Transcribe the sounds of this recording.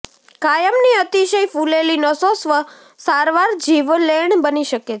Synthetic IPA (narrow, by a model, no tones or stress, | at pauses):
kajəmniət̪iʃəjfulelinəsosʋə | saɾʋaɾd͡ʒiʋleɳbəniʃəket͡ʃʰ